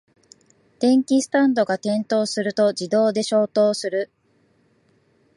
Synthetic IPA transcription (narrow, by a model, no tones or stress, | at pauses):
d̪̥ẽ̞ŋkʲisɨ̥t̪ãnd̪o̞ɡat̪ẽ̞nt̪o̞ːsɨɾɯ̟t̪o̞d͡ʑid̪o̞ːd̪e̞ɕo̞ːt̪o̞ːsɨɾɯ̟